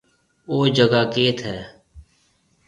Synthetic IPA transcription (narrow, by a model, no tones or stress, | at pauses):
oːd͡ʒəɡaːkeːt̪ʰɦɛː